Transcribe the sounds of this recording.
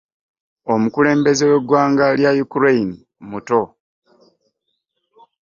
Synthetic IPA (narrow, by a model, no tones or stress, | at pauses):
o̞mukule̞ːmbe̞zewe̞ɡwaːŋɡaljajukuɾeini | muto̞